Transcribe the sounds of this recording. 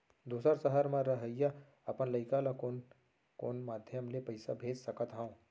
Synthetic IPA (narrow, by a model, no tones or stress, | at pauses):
d̪uːsəɾsəɦəɾmãɾɐɦəja | ɐpənlɐɪkalakon | ko̰ːnmaːd̪ʱjəmlepɐɪsa̰bʱeːd͡ʒsɐkət̪ɦã